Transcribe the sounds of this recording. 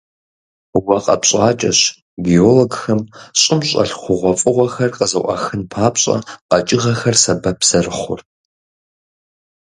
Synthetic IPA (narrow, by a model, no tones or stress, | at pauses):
wɐqʼɐ̰pɕʼaːt͡ʃʼɐɕ | ɡioːloɡxɐmɕʼɪmɕʼɐ̰ɬχʷʊʁʷɔfʼɨʁʷɔxɐrqəzɨʔʷɑ̰xɨnpʰaːpɕʼɐ̰qɐt͡ʃʼɪʁɐxɐrsɐbɐpʰz̥ɐrɨχʷʊ̰r